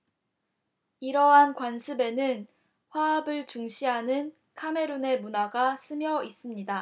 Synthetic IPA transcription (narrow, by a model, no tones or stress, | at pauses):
iɾʌɦankwansʰɯbe̞nɯn | ɸwaːbɯɭt͡ɕuŋɕʰiɦanɯn | kʰame̞ɾune̞munaɡas͈ʰɯmjʌis͈ɯmɲida